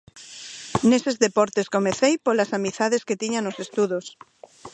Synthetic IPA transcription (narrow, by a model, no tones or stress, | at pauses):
nesezðepɔɾt̪eskomeθejpolasamiθaðesket̪iɲanosest̪uðos